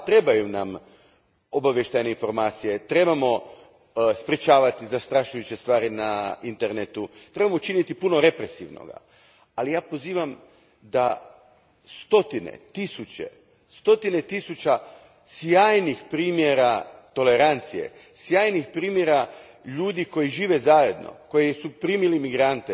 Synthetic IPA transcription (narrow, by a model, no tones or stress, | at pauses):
t̪ɾe̞bajunam | obaʋʲjeʃt̪ajne̞info̞ɾmaːt̪sije̞t̪ɾe̞bamo̞ | spɾet͡ʃaːʋat̪izast̪ɾaʃujut͡ɕest̪ʋaːɾinaint̪eɾnet̪ut̪ɾe̞bamot͡ʃinit̪ipuno̞ɾe̞pɾesiʋno̰ɡa̰ | alijaːpo̞ziːʋam | d̪a | st̪o̞t̪inḛt̪isut͡ɕḛ | st̪o̞t̪ine̞t̪isut͡ɕa | sjaːjnixpɾiːmjeɾat̪o̞le̞ɾant̪sije̞̰ | sjaːjnixpɾiːmje̞ɾa | ʎuːd̪iko̞jiʒiːʋe̞zajed̪no̰ko̞jesupɾiːmilimiɡɾant̪e